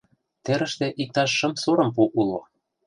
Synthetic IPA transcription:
t̪ĕɾə̆ʃt̪ĕʔik̚t̪ɑʃːɤ̆msoɾɤ̆mp̬uʔulo

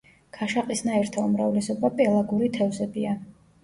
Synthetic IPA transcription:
kʰaʃaqʼisnaɛɾt̪ʰaumɾavlɛsɔbapʼɛlˠaɡuɾit̪ʰɛvzɛbia

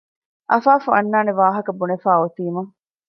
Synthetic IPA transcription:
ʔɐfaːfuɐnːaːneʋaːɦɐkɐbunefaːot̪iːmɐŋ

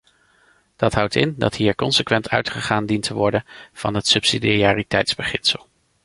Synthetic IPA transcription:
d̥ɑtɦʌwtɪndɑ̰tɦiːɹkɔnsəkʋɛntʰœ̰ɥtχəχaːndintʰəʋɔɹdənv̥ɑ̰nɦətsɵpsidaːritɛjtzbəχɪnsəlˠ

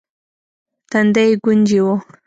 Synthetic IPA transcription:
t̪and̪ajɡʊnd͡ʒiwo

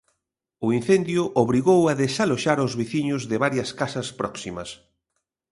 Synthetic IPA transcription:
ʊin̟θend̪jʊʔoβɾiɣowaðesaloʃaɾozβiθiɲʊzðɪβaɾjɐskasɐspɾɔksimɐs

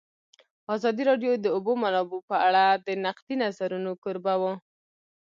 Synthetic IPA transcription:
ɑzɑd̪iɾɑɖjod̪əobomanɑbopəaɽad̪ənaqd̪̥inazaɾunokʊɾbawo

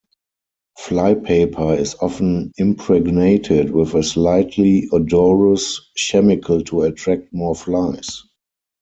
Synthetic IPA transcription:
flaɪpʰeɪpʰə˞ɪsɔfə̃n̩ɪ̃mpʰɹɛɡneɪtʰɪdwɪðəslaɪtʰliɔdɔɹəsʃɛmɪkʰəl̩tʰuətʰɹæk̚t̚mɔflaɪs

